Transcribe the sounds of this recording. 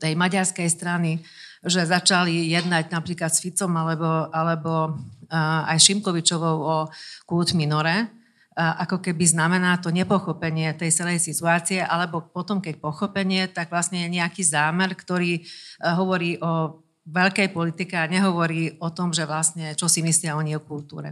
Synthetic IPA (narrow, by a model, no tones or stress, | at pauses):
t̪ɛjmaɟaɾskɛjst̪ɾaniʒɛzat͡ʃalijɛd̪naɟnapɾiːklat̪sfit͡sɔmalɛbɔʔalɛbɔ | a̰jʃimkɔʋit͡ʃɔʋɔʊɔkuːt̪minɔɾɛ | ʔakɔkɛbiznamɛnaːt̪ɔɲɛpɔxɔpɛɲɪɛt̪ɛjt͡sɛlɛjsit̪uaːt͡siɛʔalɛbɔpɔt̪ɔmkɛc̚pɔxɔpɛɲɪɛt̪aɡʋlasɲɛjɛɲɛakiːzaːmɛɾkt̪ɔɾiːɦɔʋɔɾiːʔɔ | ʋɛʎkɛjpɔlit̪ikɛaɲɛɦɔʋɔɾiːɔt̪ɔmʒɛʋlasɲɛt͡ʃɔsimislɪaɔɲiɛkult̪ṵːɾɛ̰